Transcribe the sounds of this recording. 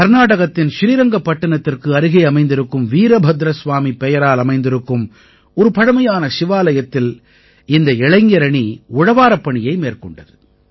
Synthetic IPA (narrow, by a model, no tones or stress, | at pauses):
kɐɾnaːɽɐɣɐt̪ːɪnʃɪɾiːɾɐŋɡɐpːɐʈːɐɳɐt̪ːɪrkɯɐɾɯɣɐɪɐmɐɪnd̪ɪɾɯkːɯmʋiːɾɐbʱɐd̪ɾɐsʋaːmipːɛjɐɾaːlɐmɐɪnd̪ɪɾɯkːɯm | ɔɾɯpɐɽɐmɐjaːnɐʃɪʋaːlɐjɐt̪ːɪl | ɪnd̪ɐɛɭɐɪŋɡɐɾɐɳiʊɻɐʋaːɾɐpːɐɳɪjɐɪmeːrkɔɳɖɐðɯ